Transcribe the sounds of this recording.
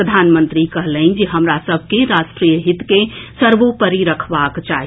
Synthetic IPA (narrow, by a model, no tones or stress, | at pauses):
ɾəd̪ʱanmənt̪ɾikəɦləɪnd͡ʒeɦəmɾasəbʱkeɾasʈɾijəɦit̪kesəɾʋopəɾiɾəkʰbakt͡ʃaɦ